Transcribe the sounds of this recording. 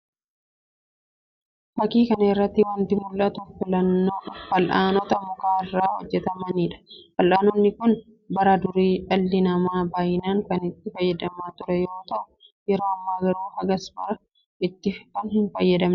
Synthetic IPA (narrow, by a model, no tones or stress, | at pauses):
fɐkiːkɐnɐɪrːɐt̪ːɪwɐnt̪ɪmʊlʔɐt̪ʊfɪlɐnːo̞ːfɐlʔaːnɔt̪ɐmʊkaːɪrːaːwɔd͡ʒːɛt̪ɐmɐniːᶑɐ̥fɐlʔaːnɔnːɪkʊn | bɐɾɐd̪ʊɾiːʔɐlːɪnɐmaːbaːjɪnaːŋkɐnɪt̪ːɪfɐjːɐd̪ɐmaːt̪ʊɾɛjo̞ːt̪ɐʔʊ̥ | jɛɾoːɐmːaːɡɐɾoːhɐɡɐsbɐɾɐ | ɪt̪ːɪkɐnhɪnfɐjːɐd̪ɐmnɛ